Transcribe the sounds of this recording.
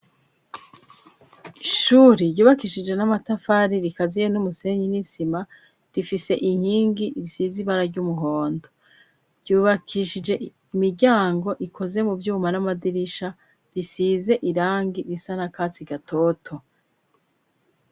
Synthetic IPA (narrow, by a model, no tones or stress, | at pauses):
iʃuɾiɟuːβakiʃid͡ʒe̞namatafaɾiɾikazijenumuse̞ɲinisima | ɾifise̞ʔiŋ̥hiːŋɡiɾisiːziβaɾaɾɟumuɦo̞ːndo | ɾɟuːβakʰiʃid͡ʒe̞ | imiɾɟaːŋɡo̞ʔikʰo̞ze̞mubjuːmanamadiɾiʃa | ɾisiːze̞ʔiɾaːŋɡiɾisanakat͡siɡatʰo̞tʰo̞